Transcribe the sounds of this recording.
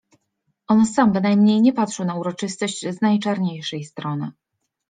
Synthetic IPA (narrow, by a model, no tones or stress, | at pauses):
ʔɔnsambɘnajmɲejɲɛpat̪ʂɛwnauɾɔt͡ʂɘst̪ɔɕt͡ɕznajt͡ʂaɾɲejʂɛjst̪ɾɔnɘ̰